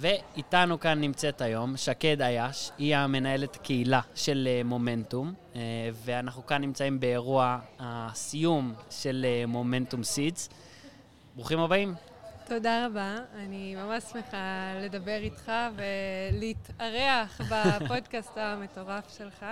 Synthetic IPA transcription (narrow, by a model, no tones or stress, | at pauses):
ve̞itanukanːimt͡se̞tajo̞mʃake̞dajaʃiame̞nae̞le̞takeilaʃe̞lemo̞me̞ntumve̞anaχnukanːimt͡saimbe̞ːʁuahasijumʃe̞lemo̞me̞ntumsiz | bʁuχimobaim | to̞daʁabaːnimamaʃsmeχale̞dabe̞ʁitχave̞litaʁeaχbapo̞dkastame̞to̞ʁafʃe̞lχa